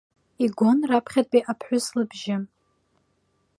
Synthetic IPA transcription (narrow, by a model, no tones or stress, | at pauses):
iɡʷonrapʰχʲad̚pʼiʔapʰħʷʊslɨbʒɪ